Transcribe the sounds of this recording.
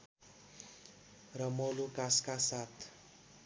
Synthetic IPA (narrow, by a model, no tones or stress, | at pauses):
rəmolukaskasat̪